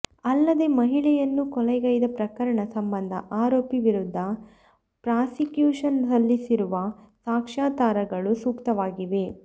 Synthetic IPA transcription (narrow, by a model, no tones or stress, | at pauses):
ɐlːɐd̪e̞mɐɦiɭɛjɐnːukɔlɛjɡɐjd̪ɐpɾɐkɐɾɐɳɐsɐmbɐnd̪ʱɐ̰ʔaːɾoːpiʋiɾud̪ʱːɐ | pɾaːsikjuːʂɐndɐlːisiɾuʋɐ | saːkʂaːt̪aːɾɐɡɐɭusuːkt̪ɐʋaːɡiʋe̞